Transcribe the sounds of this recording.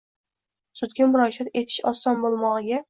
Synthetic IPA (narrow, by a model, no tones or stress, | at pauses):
sʊd̪ɡʲamʊɾɒʃat̪e̞t̪ʰɪ̥ʃɒsɒnbolˠmɒʁɨɡʲa